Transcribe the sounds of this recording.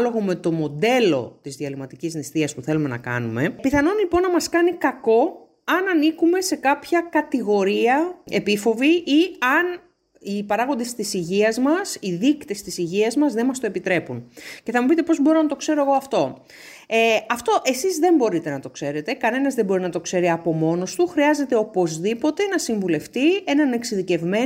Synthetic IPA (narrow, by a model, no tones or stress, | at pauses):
lo̞ɣome̞t̪o̞mo̞d̪e̞lo̞̰t̪izðiɐlimɐt̪iciznist̪iɐspuθe̞lume̞nɐ̰kɐ̰nume̞piθɐno̞nlipo̞nːɐmɐskɐnikɐko̞ | ɐnɐnikume̞se̞kɐpçɐkɐt̪iɣo̞ɾiɐe̞pifo̞viʔiɐn | ipɐɾɐɣo̞nd̪e̞st̪isiʝiɐzmɐsiðikt̪e̞st̪isiʝiɐzmɐzðe̞mɐst̪o̞e̞pit̪ɾe̞punce̞θɐmupit̪̬e̞po̞zbo̞ɾo̞nɐt̪o̞kse̞ɾo̞eɣo̞ɐft̪o̞ | eɐft̪o̞ʔe̞sizðe̞mbo̞ɾit̪e̞nɐt̪o̞kse̞ɾe̞t̪e̞kɐne̞nɐzðe̞mbo̞ɾinɐt̪o̞kse̞ɾiɐpo̞mo̞no̞st̪uxɾiɐze̞t̪e̞o̞po̞zðipo̞t̪e̞nɐsiɱvule̞ft̪ie̞nɐne̞ksiðice̞vme̞